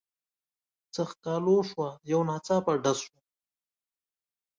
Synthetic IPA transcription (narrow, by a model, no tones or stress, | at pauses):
t͡saxkɑːloʂwajawnɑːt͡sɑpaɖazʃwa